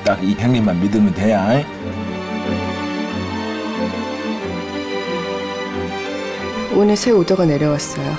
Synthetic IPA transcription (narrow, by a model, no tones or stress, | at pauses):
t͈akiɦeŋimanmidɯmitejaj | onɯsʰe̞odoɡane̞ɾjʌwas͈ʌjo